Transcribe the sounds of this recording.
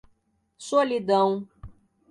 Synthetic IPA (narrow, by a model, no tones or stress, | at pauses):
solid̪ɐ̃w̃